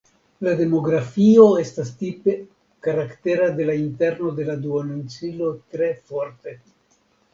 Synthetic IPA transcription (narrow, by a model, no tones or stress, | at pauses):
lade̞mo̞ɡɾafio̞e̞stastipe̞ | kaɾakte̞ɾade̞lainte̞ɾno̞de̞laduanunt͡silo̞tɾe̞foɾte̞